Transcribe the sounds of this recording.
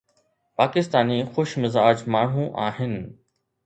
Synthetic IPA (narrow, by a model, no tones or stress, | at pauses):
paːkɪst̪aːnixʊʃmɪzaːd͡ʑmaːɳ̤ũʔaːɦɪnɪ̆